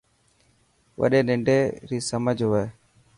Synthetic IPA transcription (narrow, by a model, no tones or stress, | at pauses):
ʋə̰ɗeːnɪ̃ɳɖeːɾiːsəməd͡ʒʱɦʊʋeː